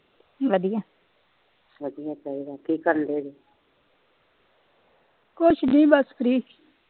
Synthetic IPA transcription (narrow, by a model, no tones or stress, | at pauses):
ʋəd̪ijãː | ʋəd̪ijãːpaiːdaːkiːkəɾnd̪eːd͡ʒeː | kʊt͡ʃʰnĩːbəskɾiː